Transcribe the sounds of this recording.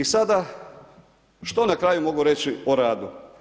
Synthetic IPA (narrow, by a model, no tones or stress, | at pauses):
isad̪a | ʃt̪o̞nakɾaːjumo̞ɡuɾet͡ɕioɾaːd̪u